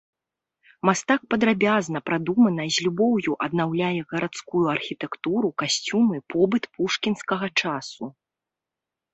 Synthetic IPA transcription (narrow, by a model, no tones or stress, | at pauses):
mast̪ak̚pɐd̪ɾabʲaznɐpɾad̪umɐnɐzʲlʲubɔwjuʔɐd̪̚nawlʲajɛɣɐɾat̪skujuɐrxʲit̪ɛkt̪uɾukasʲt͡sʲumɨpɔbɨt̪puʂkʲinskɐɣɐt͡ʂasu